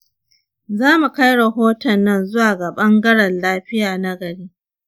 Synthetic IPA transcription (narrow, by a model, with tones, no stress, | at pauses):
zaː˦mu˨ka˦jɽɐ˨ɦoː˦tɐ˨nːɐ˦˨nzʊ˦waː˨ɡa˨ɓɐ˦ŋɡɐ˦ɽɐ˨nlaː˦ɸɪ˦jaː˨na˦ɡɐ˨ɽeː˦